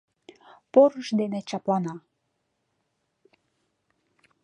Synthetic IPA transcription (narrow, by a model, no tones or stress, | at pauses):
poɾəʃd̪enet͡ɕɑplɑnɑ